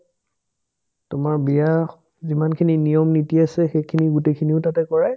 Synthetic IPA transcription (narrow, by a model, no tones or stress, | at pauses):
tʊmaɹbija | zimankʰininijɔmnitiasɛxejkʰiniɡutekʰiniʊtatɛkɔɹaj